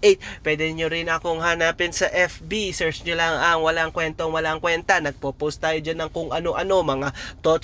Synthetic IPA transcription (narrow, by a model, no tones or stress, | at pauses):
ʔejt̪̚pwɛd̪ɛɲoɾɪnɐkoŋɦanaːpɪnsɐʔɛfbisɛɹt͡ʃɲolaŋʔɐŋwɐlaŋkwɛnt̪oŋwɐlaŋkwɛnt̪ɐnɐɡ̚popowst̪aːjod͡ʒanːɐŋkʊŋʔɐno̞ʔɐno̞mɐŋat̪ot̪